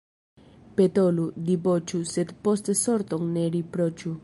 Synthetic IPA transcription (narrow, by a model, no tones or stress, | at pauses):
pet̪olud̪ibot͡ʃused̪post̪soɾt̪oŋneɾipɾot͡ʃu